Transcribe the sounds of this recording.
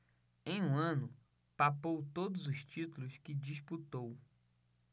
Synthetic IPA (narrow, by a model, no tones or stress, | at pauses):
ẽj̃ũɐ̃nʊ | papowt̪od̪ʊzʊʃt͡ʃit̪ulʊskɪd͡ʒisput̪ow